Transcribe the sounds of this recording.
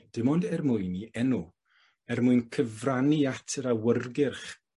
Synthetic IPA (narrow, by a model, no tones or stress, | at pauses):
d̥ɪmɔndɛrmʊɨniɛnu | ɛrmʊɨnkʰəvraniatʰəɾawərɡɪrχ